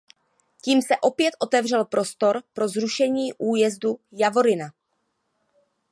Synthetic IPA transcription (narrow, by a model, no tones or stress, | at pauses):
ciːmsɛʔo̞pjɛt̪ʔo̞t̪ɛvr̝ɛlpɾo̞st̪o̞ɾpɾo̞zɾuʃɛɲiːʔuːjɛzdujavoɾɪna